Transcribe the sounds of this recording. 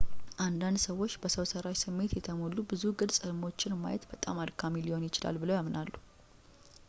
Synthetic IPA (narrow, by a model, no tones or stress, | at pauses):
ʔand̪and̪səwːo̞t͡ʃːb̥əsəwsəɾaʃsɨmːe̞t̪jɛt̪ʰəmolːubɨzuɡɨlsʼɨɾmo̞t͡ʃːɪnmːa̰jɛt̪bət̪ʼamad̪kʰamilio̞njɪt͡ʃɪla̰lbɨləwjamnalːu